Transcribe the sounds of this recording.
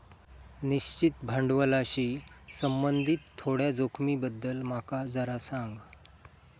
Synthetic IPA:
niɕt͡ɕit̪bʱəɳɖʋəlaɕiːsəmbənd̪ʱit̪ʰːoɽjad͡zokʰmibəd̪ːəlmakad͡zəɾasaŋɡ

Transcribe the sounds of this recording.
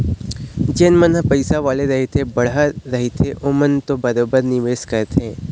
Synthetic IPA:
d͡ʒeːnmənɦəpɐɪsaʋaːleɾɐɦet̪ʰebɐɽ̤aɾɐɦit̪ʰeʔoːmənt̪obɐɾoːbəɾnɪʋeːskɐɾt̪eː

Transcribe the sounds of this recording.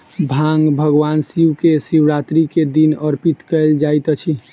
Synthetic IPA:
bʱaŋɡbʱəɡʋansiukesiwɾat̪ɾiked̪inəɾpit̪kəld͡ʒajt̪t͡ʃʰi

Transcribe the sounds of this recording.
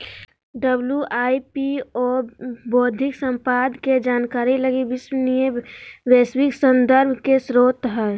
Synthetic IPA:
ɖəbljuʔaːipiɔːboːd̪ʱɪksə̃mpad̪ked͡ʒaːnkaːɾiləɡiʋɪswnijeʋeːswɪksə̃nd̪əɾbʱkesɾoːt̪ɦɛ

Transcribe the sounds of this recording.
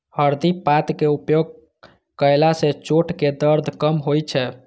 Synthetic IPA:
həɾd̪ipat̪keupjoɡ̚ | kəlaset͡ʃoʈʰked̪əɾd̪ʱkəmɦojt͡ʃʰɛ

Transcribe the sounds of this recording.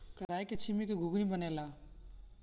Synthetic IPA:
kəɾaːiket͡ʃʰimikeɡʱuɡɾibənela

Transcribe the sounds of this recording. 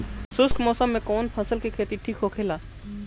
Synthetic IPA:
sʊskmɔːsəmːẽkɔːnpʰəsəlkikʰeːt̪iʈʰiːkɦokʰeːlaː

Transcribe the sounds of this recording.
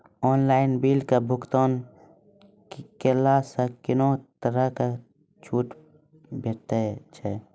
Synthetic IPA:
ɔːnlaːɪnbiːlkabʱʊkt̪oːn | kelasakɪnot̪əɾəka | t͡ʃʰuːʈ | bʱeʈt̪at͡ʃʰɛ

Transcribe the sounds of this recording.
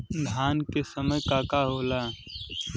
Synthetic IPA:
d̪ʱjaːnkesəməjkaːkaɦoːlaː

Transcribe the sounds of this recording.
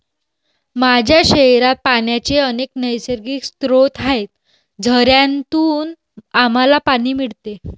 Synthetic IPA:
mad͡ʑʱjaɕeɾat̪̚paɳjat͡ɕeəneknəjsəɾɡiːkst̪ɾot̪aɦet̪̚ | d͡zʱəɾjant̪uːn | am̤alapaɽ̃iːmiɽt̪e

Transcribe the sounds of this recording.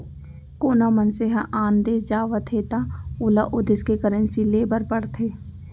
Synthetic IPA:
koːnamənseɦaʔaːnd̪eːd͡ʒaːʋət̪ʰɦeːt̪aʊlaʔʊd̪ɪskekəɾə̃nsileːbəɾpəɽt̪ʰeː

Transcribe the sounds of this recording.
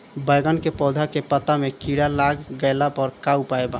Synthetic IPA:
bəjɡənkepɔd̪ʱakepət̪amekiɽalaɡːəlapəɾkaupaeba̰

